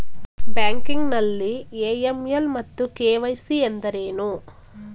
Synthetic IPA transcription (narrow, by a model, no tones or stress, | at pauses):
baːŋkiŋɡnɐlːieːjemjɐlmɐt̪ːukeːʋɐjsiend̪ɐɾeːnu